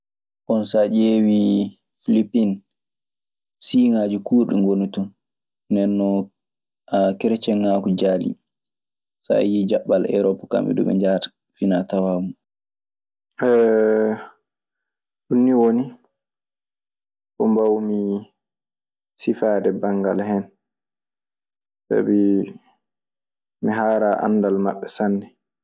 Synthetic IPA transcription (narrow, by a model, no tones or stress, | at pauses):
ʔɔnsad͡ʒewi | filipin | siŋad͡ʒukuːɾɗiŋɡonutɔ | nɛnːɔ | akɛɾɛt͡ʃɛŋːakud͡ʒaːlḭ | sa̰jid͡ʒaɓːalʔɛ̰ɾɔpaka̰mɓɛ̰dṵɓɛ̰ɲd͡ʒaːtḁ | finatawaːmu | ɛ | ɗunːiwoni | kɔmbawmi | sifaːdɛbaŋɡalhɛn | sa̰bi | miɦaːɾaʔa̰nːdalmaɓːɛsanːɛ